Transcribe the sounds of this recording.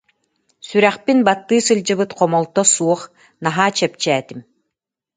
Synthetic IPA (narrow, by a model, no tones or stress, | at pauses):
syɾæχpinbat̪ːɯːsɯlʲd͡ʑɯβɯt̪qɔmɔlˠt̪ɔsuɔχ | naɦaːt͡ɕɛp̚t͡ɕæːt̪im